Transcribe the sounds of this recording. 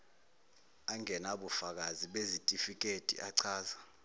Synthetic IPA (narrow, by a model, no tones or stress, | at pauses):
aŋɛnaɓufak̬aziɓezitʼifik̬ʼetʼḭʔaǀʰaːza